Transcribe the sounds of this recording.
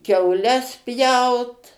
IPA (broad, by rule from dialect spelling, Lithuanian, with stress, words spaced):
kʲɛʊˈlʲɛs ˈpʲjɛʊt